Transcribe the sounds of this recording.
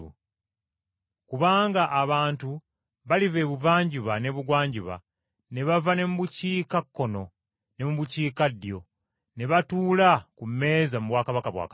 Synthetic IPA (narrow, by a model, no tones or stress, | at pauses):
ṵ | kuβaːŋɡaʔːβaːntu | βalive̞βuvaːɲɟuβane̞βuɡwaːɲɟuβa̰ | ne̞βavane̞muβuciːkakːono̞ | ne̞muβuciːkadːjo̞ | ne̞βatuːlakume̞ːzamuβwaːkaβakaβwa̰ːk